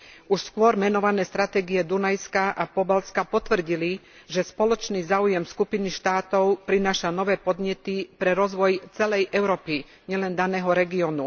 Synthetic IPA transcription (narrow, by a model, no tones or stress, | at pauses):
uʃskʊɔɾmɛnɔʋanɛːst̪ɾat̪ɛːɡiɛd̪unajskaʔapɔbalskapɔt̪ʋr̩ɟili | ʒɛspɔlɔt͡ʃniːzaːujɛmskupiniʃt̪aːt̪ɔʊpɾinaːʃanɔʋɛːpɔd̪ɲɛt̪ipɾɛɾɔzʋɔjt͡sɛlɛjʔɛʊɾɔːpi | ɲɛlɛnd̪anɛːɦɔɾɛɡiɔnu